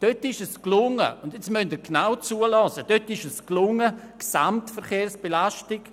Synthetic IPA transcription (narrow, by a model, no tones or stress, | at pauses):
d̥øtɪʃɛsklʊŋə̰ʊndjɛt͡smœndiːɡnawt͡suəlɑsəd̥øtɪʃɛsklʊŋə | ksamtfɛɾχeːɾsb̥elaʃtɪk